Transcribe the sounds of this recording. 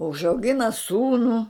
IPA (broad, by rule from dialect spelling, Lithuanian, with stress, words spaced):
ʊʒɐʊˈɡʲɪnɐ ˈsuːnuː